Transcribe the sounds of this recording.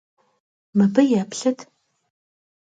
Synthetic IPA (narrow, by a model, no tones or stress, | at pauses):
mɨbɐjapɬɐtʰ